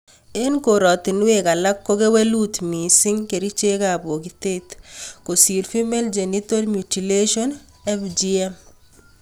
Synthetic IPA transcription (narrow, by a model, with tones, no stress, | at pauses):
e˦nko˨ɾɔ˨t̪ɪ˨nweka˨la˦kːo˦ke˦we˦lu˦t̪mi˨sɪ˦ŋke˨ɾi˦t͡ʃe˦kabo˨kit̪e˦t̪ko˨si˨lfi˦meld͡ʒe˨ni˦to˦lmjuti˨le˦ʃon | ɛ˦fd͡ʒiɛm